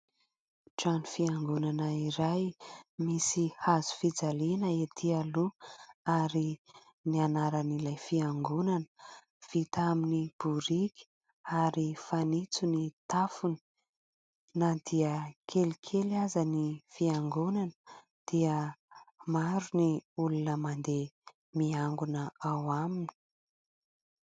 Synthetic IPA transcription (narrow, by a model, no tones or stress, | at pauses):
ʈ͡ʂanifiaŋɡunanəiɾajmisihazu̥fid͡zalinəet̪ʰialuaɾi | nianaɾənilajfiaŋɡunanə̥ | v̥it̪aminib̥uɾikʲi̥ | aɾifanit͡sunit̪afuni̥ | nad̪iəkʰelikʰelazənifiaŋɡunanə | d̪̥iə | maɾuniulunəmand̪e | miaŋɡunəawamini̥